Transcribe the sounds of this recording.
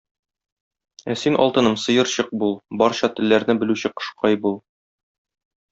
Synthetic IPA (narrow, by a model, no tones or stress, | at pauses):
æsinʔɒ̰lˠt̪ɤ̆nɤmsɤ̆jɤ̆ɾɕɤq̚bulˠbɒɾɕɑt̪ɘ̆lːæɾnɘbɘ̆lʉɕɘqɤ̥̆ʃqɑjbulˠ